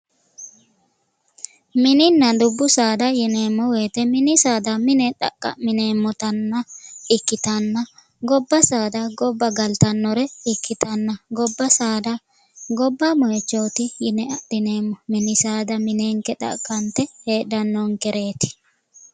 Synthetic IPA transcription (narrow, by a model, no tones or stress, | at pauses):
mɪnɪnːɐd̪ʊbːʊsaːd̪ɐjɪneːmːɔweːt̪ɛmɪnɪsaːd̪ɐmɪnɛᶑɐ̰kʼːɐ̰mɪneːmːɔt̪ɐnːɐɪkːɪt̪ɐnːɐ | ɡɔbːɐsaːd̪ɐɡɔbːɐɡɐlt̪ɐnːɔɾɛɪkːɪt̪ɐnːɐɡɔbːɐsaːd̪ɐ | ɡɔbːɐmɔjɛt͡ʃːoːt̪ɪjɪnɛɐɗɪneːmːɔmɪnɪsaːd̪ɐmɪneːŋkɛᶑɐ̰ʔkʼːɐnt̪ɛheːᶑ̪ɐnːɔŋkɛɾe̞ːt̪ɪ̥